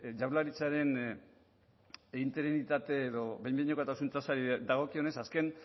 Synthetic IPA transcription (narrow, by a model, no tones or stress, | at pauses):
d͡ʒawlaɾit͡saɾe̞n | int̪e̞ɾinit̪at̪eːðo̞βejmbiɲokat̪asunt͡s̪asaɾid̪aɣ̞o̞kio̞ne̞saske̞n